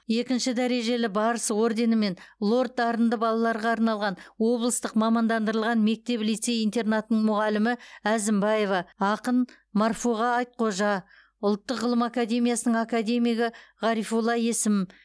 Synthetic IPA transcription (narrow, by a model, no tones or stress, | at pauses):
je̞kʲɪnʃɪd̪æɾe̞ʒe̞lɪbɑɾəsəwo̞ɾd̪e̞nɪme̞nlˠo̞rt̪̚ːɑɾənd̪əbɑlˠɑlˠɑɾʁɑːɾnɑlˠʁɑnwo̞blˠəst̪əqmɑmɑnd̪ɑnd̪əɾəlˠʁɑnme̞k̚t̪e̞plijt̪se̞jijnt̪e̞rnat̪ənəɴmʊʁɑlɪmɪæzɪmbɑje̞vɑɑqən | mɑrfoʁɑɑjt̪̚qʰo̞ʒɑ | ʊlˠt̪ːəqʁəlˠəmakad̪ʲe̞mijasənəɴakad̪e̞mʲijɡʲɪʁɑɾifulˠɑje̞sɪm